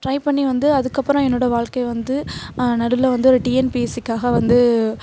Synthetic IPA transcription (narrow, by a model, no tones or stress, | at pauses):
ʈɾɐɪpɐɳːiʋɐnd̪ɯɐðɯkːɐpːɯɾɔ̃ɛnːoːɽɐʋaːɭkɐɪʋɐnd̪ɯnɐɽɯlːɐʋɐnd̪ɯɔɾɯʈiːɛnpisɪkːaːɣɐʋɐnd̪ɯ